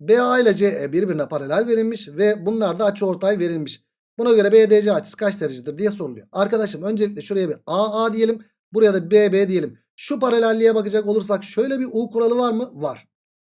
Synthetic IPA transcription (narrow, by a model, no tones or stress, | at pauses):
beailʲad͡ʒeːɛbiɾbiɾinɛpaɾalʲæɾʲve̞ɾilʲmiʃvɛbunlˠaɾd̪aːt͡ʃʰɯo̞ɾt̪ʰajve̞ɾilʲmiʃ | bunaɟø̞ɾɛbeːd̪eːd͡ʒɛat͡ʃʰɯ̥skʰat͡ʃseɾid͡ʒid̪ɯɾd̪ijɛso̞ɾulˠujo̰aɾkad̪aʃlˠɯmø̞nd͡ʒelʲiclʲɛʃuɾejabiaad̪ije̞lʲim | buɾajad̪abeːbeːd̪ije̞lʲim | ʃupaɾalʲæɾlʲijɛbakɯd͡ʒako̞lˠuɾs̬akʃø̞jlʲɛbiʔuːkuɾalˠɯvaɾmɯvaɾ̥